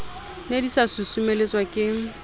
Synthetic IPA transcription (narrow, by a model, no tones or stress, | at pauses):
nedisasʊsumelet͡sʼwakʼɪŋ̩